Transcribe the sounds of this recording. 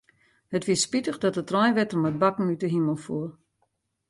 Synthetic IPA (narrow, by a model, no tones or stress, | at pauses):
hətʋiəspitəxdɔtətrɔjnʋɛtərɔmət̚bakŋ̩ytəɦiməlˠfuər